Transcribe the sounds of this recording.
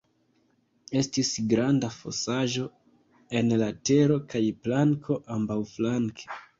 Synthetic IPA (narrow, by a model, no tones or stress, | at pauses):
e̞stisɡɾandafo̞̰saʒo̞ | e̞nlate̞ɾo̞kajplaŋkʰo̞ʔambawflaŋkʰe̥